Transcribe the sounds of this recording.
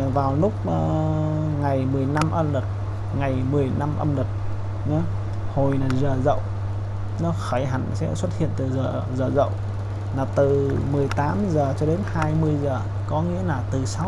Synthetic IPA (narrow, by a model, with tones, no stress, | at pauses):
vaː˨˩wlʊ˦˥k͡p̚ː | ŋa˨˩jmɨ˨˩əjna˧mʔə˧mlɨ˨˩k̚ | ŋa˨˩jmɨ˨˩əjna˧mʔə˧mlɨ˨˩k̚ | ɲə˨˦ | ho˨˩jnaː˨˩zəː˨˩zə̰˧˨w | nɔ˨˦xəː˧˩jɦa˨˩jŋsɛ̰˧˥swə˦˥t̚hḭ˧˨ənt̪ɨ˨˩zəː˨˩ | zəː˨˩zə̰˧˨w | naː˨˩t̪ɨ˨˩mɨ˨˩əjt̪aː˨˦mzəː˨˩t͡ɕɔ˧ɗe˨˦nhaː˧jmɨ˧əjzəː˨˩ | kɔ˨˦ŋḭ˧˥əlaː˨˩t̪ɨ˨˩sa˨˧˦w